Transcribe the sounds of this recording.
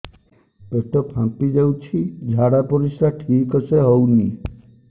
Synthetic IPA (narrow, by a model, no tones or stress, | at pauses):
peʈɔpʰãmpid͡ʒawt͡ʃʰid͡ʒʱaɽapɔɾisaʈʰikɔseɦowni